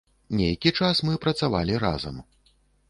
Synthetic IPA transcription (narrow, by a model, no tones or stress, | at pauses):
nʲejkʲit͡ʂasmɨpɾɐt̪sava̰lʲiɾa̰zɐ̰m